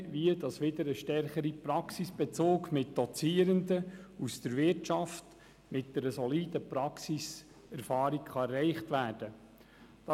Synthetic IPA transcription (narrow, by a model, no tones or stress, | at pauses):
ʋiədɑsʋɪdəɾəʃtɛɾχəɾipɾɑksisb̥ɛt͡soːkmɪt̚d̥ɔt͡siːəɾəndəusd̥əɾʋɪrtt͡ʃɑft | mɪt̚d̥ɛɾəsɔliːdəpɾɑksis | ɛɾfɑːɾikχɑɛrɛɪχtʋæːɾd̥ə | d̥ɑ